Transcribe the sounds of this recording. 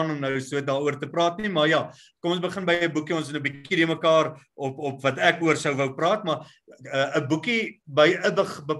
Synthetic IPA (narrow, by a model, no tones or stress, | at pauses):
nɔmnəwsuət̚dɑːuərtəprɑːtnimɐrjɑ | kɔmɔ̃nsbəχənbəjəbukiɔnstnəbikidəməkɑːrɔpɔpvɐtækuərsəwvəwprɑːtmɐ | əəbukibəjʔədəχbə